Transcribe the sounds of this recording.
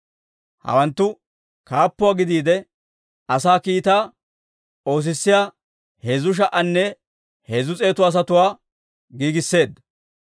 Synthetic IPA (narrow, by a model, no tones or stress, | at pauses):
hɐ̰wɐnt̪ːʊ | kaːpːʊwaːɡɪd̪iːd̪ɛ | ɐsaːkiːt̪aː | o̞ːs̬ɪsːɪjaː | heːzʊʃ̬ɐʔɐnːɛ | heːzʊt͡sʼe̞ːt̪ʊɐːs̬ɐt̪ʊwaː | ɡiːɡɪsːe̞ːd̪